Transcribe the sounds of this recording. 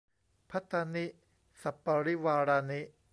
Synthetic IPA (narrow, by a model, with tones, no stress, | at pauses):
pʰa˦˥t̪ːa˧ni˦˥ | sa˨˩pːa˧ɾi˦waː˧ɾaː˧ni˦˥